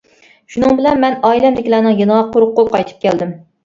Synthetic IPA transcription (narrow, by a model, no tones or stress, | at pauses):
ʃunɨŋbɪlɛnmɛnɑilɛmd̪ɪkʲilænɨŋjɑnɑqʰːoɾqːoqʰɑjt̪ʰɨ̥p̚kʲʰɛld̪ɪm